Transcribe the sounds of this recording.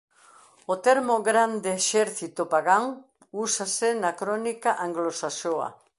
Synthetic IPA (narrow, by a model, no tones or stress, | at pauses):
ot̪eɾmoɣɾand̪eːʃeɾθit̪opaɣaŋ | usasenakɾonikaʔaŋɡlosasoa̰